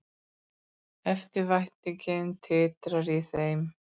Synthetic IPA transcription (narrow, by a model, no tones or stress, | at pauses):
ɛft̪ɪɾvajht̪nɪcɪnt̪ʰɪːt̪ɾaɾiθejm